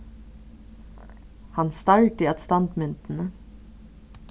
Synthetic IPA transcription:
hɑnst̪ɑɹʈiːɑt̪st̪ɑnt̪mʏnt̪n̩ə

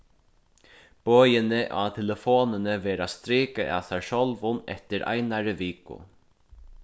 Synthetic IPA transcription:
b̥øːjɪnɪʔa̰t̪ʰɛləfoːnɪnɪvɛːɾast̪ɾiːkəʔa̰saɹʃɔlvʊnɛ̰t̪ɪɾʔa̰jnaɾəviːkʊ̰

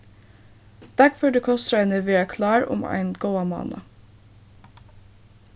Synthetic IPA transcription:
d̪̥æɾfɔɖeːkʰɔst̪ɾœʏnəʋeːækʰlɑːɾʊ̰mæ̰ɪnɡ̥oːɑmɑ̰ːnə̰

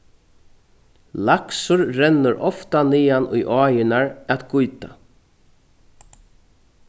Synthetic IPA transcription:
laksʊɾɾɛnːəɾʔɔft̪aniːanʊ̰jʔɔːjɪnaɹæt̪ɡʊjt̪a

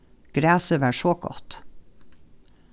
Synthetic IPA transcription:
ɡ̥ɾæːsəʋæːʃoːɡɔ̰t̪

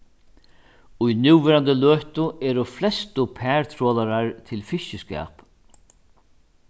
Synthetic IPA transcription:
ʊjnuːwvɛːɾant̪əløːht̪ʊɛːɾʊflɛst̪ʊpʰɛːɹt̪ʰɾɔːlaɾaɹt̪ʰɪlfɪʃɪskɛ̰ːp

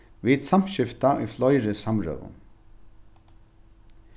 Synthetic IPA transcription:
vid̪sam̥ɕɪft̪aʔṵjflɔjɾɪsamɹœ̰ːvʊ̰

